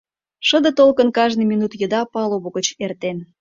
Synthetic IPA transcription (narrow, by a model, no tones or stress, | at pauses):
ʃə̆d̪ə̆t̪olkənkɑʒniminut̪jəd̪ɑpɑloβoɣət͡ɕert̪en